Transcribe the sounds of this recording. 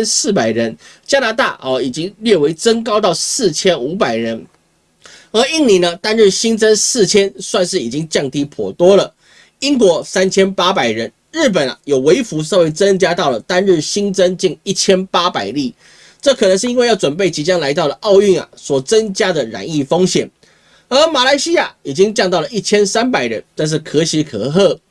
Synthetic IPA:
nsɹ̩˥˩pa˨˩ɪɻə˧˥nt͡ɕja˥na˧˥t̪a̰˥˨ʔɔ˨˩i˨˩t͡ɕi˥ŋljɛ˥˩we˧˥ɪt͡sə˥nkɑ˥ʊt̪ɑ˥˧ʊsɹ̩˥˩t͡ɕʰjɛ˥nu˧˥pa˨˩ɪɻə˧˦˥n | ə˨˥i˥˩ŋli˧˥nə˧t̪a˥nɻ̩˥˩ɕi˥ŋt͡sə˥nsɹ̩˥˩t͡ɕʰjɛ˥nswa˥˧nʂɻ̩˥˩i˨˩t͡ɕi˥ŋt͡ɕjɑ˥˨˩ŋt̪i˧˥˩pʰwɔ̰˨˩t̪wɔ˥lə˨ | i˥ŋkwɔ˧˥sa˥nt͡ɕʰjɛ˥npa˥pa˨˩ɪɻə˧˦n | ɻɻ̩˥˩p̬ə˨˩na̰˨jo˨˩ʊwe˧˥ɪfu˧˥s̬ɑ˥˧we˥˩ɪt͡sə˦ŋt͡ɕja˥t̪ɑ˥˩ʊlə˩t̪a˥nɻɻ̩˥˩ɕi˥nt͡sə˦nt͡ɕi˥˧ŋi˥˩t͡ɕʰjɛ˥npa˥pa˨˩ɪli˥˩ | ʈ͡ʂɤ˥˨kʰɤ˨˩nə˧˦ŋʂ̬ɻ̩˥˩˧i˥ŋwe˥˧jɑ˥˩ʊʈ͡ʂwə˨˩np̬e˥˩ɪt͡ɕi˧˥t͡ɕjɑ˥ŋla˧˥ɪt̪ɑ˥˩ʊd̪ə˩ʔɑ˥˧ʊy˥˩ŋa̰˨˩swɔ˨˩t͡sə˦˥nt͡ɕja˥d̪ə˨ɻa̰˨˥˦ni˥˩fo˥ŋɕjɛ˨˩˦n | ə˞˧˥ma˨˩la˧˥ɪɕi˥ja˥˩i˨˩t͡ɕi˦˥ŋt͡ɕjŋt̪ɑ˥˩ʊlə˨˩ʔi˥˩t͡ɕʰjɛ˥nsa˥npa˨˩ɪɻə̰˧˦nt̪a˥˧nʂ̬ɻ̩˥˩kʰɤ˧˥ɕi˧˥kʰɤ̰˧˦xɤ˥˩

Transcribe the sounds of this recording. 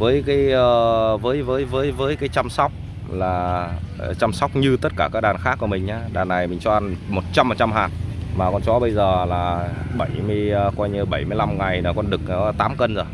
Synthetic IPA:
vəː˨˦jkaː˨˦jʔəː˧vəː˨˦jvəː˨˦jvəː˨˦jvəː˨˦jkaː˨˦jt͡ɕa˧msɔ˦˥wk͡p̚ | laː˨˩˨ | t͡ɕa˧msa˦˥wk͡p̚ɲɨ˧t̪ə˦˥t̚kaː˧˩kaː˦˥k̚ɗaː˨˩nxaː˦˥kːu˧˩əmï˨˩ŋ̟ʔaː˨˧˦ɗaː˨˩nːa˨˩jmï˨˩ŋ̟t͡ɕɔ˧ʔa˧nmo˨˩t̚t͡ɕa˧m˨˩t̚t͡ɕa˧mɦaː˨˩t̚maː˨˩kɔ˧nt͡ɕɔ˨˦ɓə˧jzəː˨˩laː˨˩ɓə˧˩jmɨ˧əjːkwaː˧jɲɨ˧ɓə˧˩jmɨ˧jla˧mŋa˨˩jna˨˩kɔ˧nɗɨ˨˩k̚nɔ˨˦t̪aː˨˦mkə˧nzo˨˩j

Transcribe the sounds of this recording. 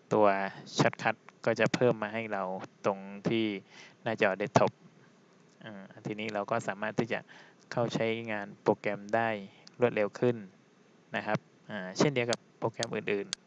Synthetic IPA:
t̪u˧ɐt͡ɕʰa˦˥t̪̚kʰa˦˥t̪̚kɔː˥˩t͡ɕa˨˩pʰɤː˥˩mːaː˧ɦa˥˩jɾa˧wt̪o˧ŋt̪ʰiː˥˩naː˥˩t͡ɕɔː˧˩de˦˥˩t̪ʰːo˦˥p̚ | ʔaː˧˩ʔa˧˩nt̪ʰiː˧niː˥˩ɾa˧wkɔː˥˩saː˩˦maː˥˩t̪ʰːiː˥˩t͡ɕa̰˨˩ʔ | kʰa˥˩wt͡ɕʰa˦˥jŋaː˧npoː˧kɛ˧mdaː˥˩jɾu˥˩ət̪̚le˧wkʰɯ˥˩nː | a˦˥kʰa˦˥p̚ʔaː˧˩t͡ɕʰe˥˩ndi˧əwka˨˦pːoː˧kɛ˧˥mʔɯː˨˩nʔɯː˨˩n

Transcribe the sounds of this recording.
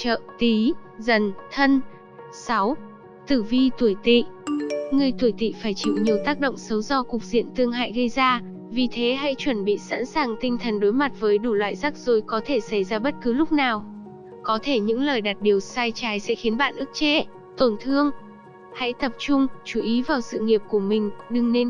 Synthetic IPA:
t͡ɕə̰ː˧˨t̪i˨˦zə˨˩nt̪ʰə˧n | sa˨˦w | t̪ɨ˧˩vi˧t̪u˧˩əjt̪ḭ˧˨ŋɨ˨˩əjt̪u˧˩əjt̪ḭ˧˨faː˧˩jt͡ɕḭ˧˨wɲi˨˩əwt̪aː˦˥k̚ɗo̰˧˨wŋ͡msə˨˦wzɔ˧kʊ˨˩k͡p̚zḭ˧˨ənt̪ɨ˧əŋɦa̰ː˧˨jɣə˧jzaː˧ | vi˨˩t̪ʰe˨˦ɦa̰˧˥jt͡ɕwə˧˩nɓḭ˧˨sa̰˧˥nsaː˨˩ŋt̪ï˧ŋ̟t̪ʰə˨˩nɗo˨˦jma˨˩t̚vəː˨˦jɗu˧˩lwa̰ː˧˨jza˦˥k̚z̥o˨˩˦jkɔ˨˦t̪ʰe˧˩sa˧˩jzaː˧ɓə˦˥t̚kɨ˨˦lʊ˦˥k͡p̚naː˨˩w | kɔ˨˦t̪ʰe˧˩ɲɨ̰˧˥ŋləː˨˩jɗaː˨˩t̚ɗi˨˩əwsaː˧jt͡ɕaː˨˦jsɛ̰˧˥xi˨˦ənɓa̰ː˧˨nʔɨ˦˥k̚t͡ɕḛ˧˥ | t̪o˧˩nt̪ʰɨ˧əŋ | ha̰˧˥jt̪ə˨˩p̚t͡ɕʊ˧ŋ͡mt͡ɕu˨˩ʔi˨˦vaː˨˩wsɨ̰˧˨ŋi˨˩əp̚ku˧˩əmï˨˩ŋ̟ɗɨ˨˩ŋne˧n

